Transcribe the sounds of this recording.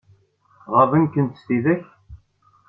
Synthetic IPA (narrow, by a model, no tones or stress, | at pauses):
ʁəvənkənt̪əst̪iðæç